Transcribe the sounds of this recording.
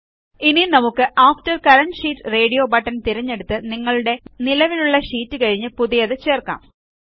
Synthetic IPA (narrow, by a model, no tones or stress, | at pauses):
ininɐmukːɨʔaːftɐrkɐɾɐnʂiːtːɨre̞ːɽijo̞ːbɐʈːɐnt̪iɾɐɲːe̞ɽut̪ːɨniŋːɐɭuɽe̞nilɐʋiluɭːɐɕiːtːɨkɐɻiɲːɨpuðijɐðɨt͡ɕe̞ːrka̰ːm